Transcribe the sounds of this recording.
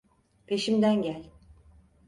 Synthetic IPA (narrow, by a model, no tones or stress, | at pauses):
pʰe̞ʃimd̪ænɟælʲ